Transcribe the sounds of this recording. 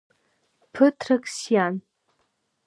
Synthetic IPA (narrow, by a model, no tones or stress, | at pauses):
pʰɨtʰrɐkʼsjan